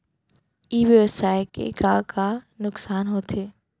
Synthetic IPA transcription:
iːʋeʋɪsaːekḛɡãːkʰa | nʊksaːnɦoːt̪ʰeː

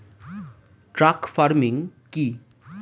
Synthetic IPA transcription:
ʈɾakpʰaɾmiŋki

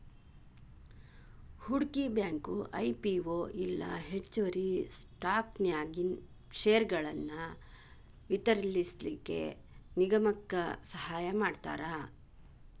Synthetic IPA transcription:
huɽkibjaːŋkuʔɐjpiʋoːʔilːɐ̰ɦet͡ʃːoʋɐɾisʈaːpnjaːɡin | ʂeːɐɾɡɐɭɐnːɐ | ʋit̪ɐɾlislikːe̞̰ | niɡɐmɐkːɐ̰sɐɦaːjɐmaːɖt̪a̰ːɾa

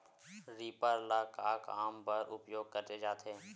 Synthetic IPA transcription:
ɾiːpəɾlaːkaːkaːmpəɾʔʊpjoːɡ̚kəɾt̪eːd͡ʒaːt̪ʰeː

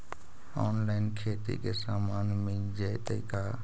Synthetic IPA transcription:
oːnlaːɪnkʰeːt̪ḭkesaːmaːnmẽ | d͡ʒet̪əɪkaː

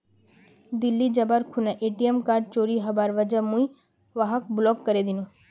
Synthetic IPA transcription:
d̪ilːid͡ʒəbaɾkʰunaʔeʈiemkaɾɖ̚t͡ʃoɾiɦəbaɾʋəd͡ʒəmũi | ʋaɦək̚blɔkːəɾed̪inũ

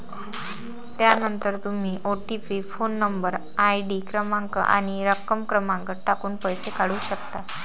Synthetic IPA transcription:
t̪janənt̪əɾt̪um̤iːʔoʈipifonːəmbəɾ | ajɖikɾəmaŋkə̰ʔa̰ɽ̃iɾəkəmkɾəmaŋkəʈakuːnpəjsekaɽuːɕək̚t̪a

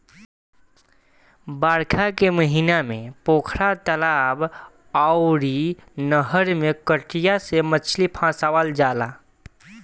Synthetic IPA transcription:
baːɾkʰakeməɦinamẽpoːkʰɾat̪əlab | aʊɾinəɦəɾmekəʈijasemət͡ʃʰlipʰãːsaʋald͡ʒaːla

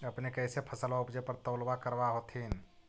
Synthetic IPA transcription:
əpnekəɪsepʰəsəlʋaupd͡ʒəpəɾt̪əʊlbakəɾbaɦot̪ʰin

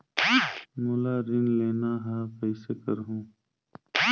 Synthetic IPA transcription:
mulaːɾɪŋɡleːnaːɦaːpəɪsekəɾɦũː

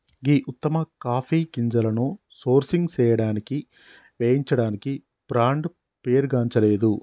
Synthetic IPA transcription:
ɡiːʔut̪ːɐmɐkaːpʰiːkiɲd͡ʒɐlɐnu | soːɾsiŋɡt͡ʃɛːjɐɽaːniki | ʋeːjiɲt͡ʃɐɽaːniki | b̥ɾaːɳɖ | peːɾɡaːɲt͡ʃɐle̞ːd̪u

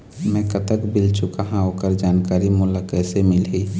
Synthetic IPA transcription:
mɛ̃kət̪əkbɪlt͡ʃʊkaɦãoːkəɾd͡ʒaːnkaːɾimʊlakɛsemɪlɦi

